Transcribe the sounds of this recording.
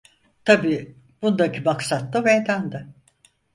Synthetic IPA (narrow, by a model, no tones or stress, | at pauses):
t̪ʰabiː | b̥und̪akʰibaksat̪lˠɯmejd̪ænd̪ɪ